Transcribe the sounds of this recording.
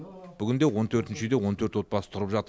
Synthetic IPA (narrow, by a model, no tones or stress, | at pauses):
b̥ʏɡʲɪnd̪e̞wo̞nt̪ʰɵɾt̪ɪnʃɪd̪ewo̞nt̪ʰøɾt̪wo̞t̪̚pɑsə̥t̪ʰʊɾəpʒɑt̪ə